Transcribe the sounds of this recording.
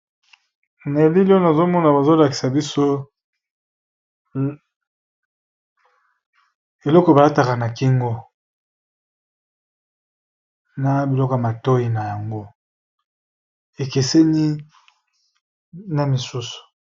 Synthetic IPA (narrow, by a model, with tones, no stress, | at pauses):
ne˨li˦li˦o˦na˨zo˦mɔ˦na˨ba˨zo˦la˨ki̥˨sa˨bi˦so˦ | e˨lɔ˦kɔ˨e˨ba˨la˦ta˨ka˨na˨ki˦ŋɡo˦ | na˦bi˨lɔ˦ko˨a˨ma˨to˦ji˨na˨ja˨ŋɡo˦ | e˨ke˨se˦ni˦ | na˨mi˨su˦su̥˨